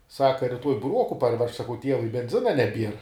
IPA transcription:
ˈsɑːkɐ rʲɪˈtuɔj bʊˈruɔkʊ pɐrʲˈʋʲɛʃk sɐˈkɐʊ ˈtʲiɛʋʊɪ bʲɛnʲˈzʲɪnɐ nʲɛˈbʲiɛr

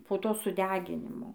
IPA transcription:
poː ˈtoː sʊˈdʲæːɡʲɪnʲɪmoː

